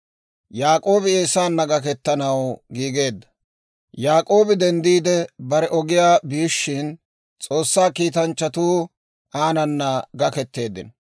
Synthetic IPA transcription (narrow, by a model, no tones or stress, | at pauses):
jaːkʼo̞ːbɪeːsaːnːɐɡɐkɛt̪ːɐnɐwɡiːɡe̞ːd̪ːɐ̥ | jaːkʼo̞ːbɪd̪ɛnd̪iːd̪ɛbɐɾɛʔɔɡɪjaːbiːʃːɪn | t͡sʼo̞ːsːaːkiːt̪ɐnt͡ʃːɐt̪uː | ʔaːnɐnːɐɡɐkɛt̪ːe̞ːd̪ɪn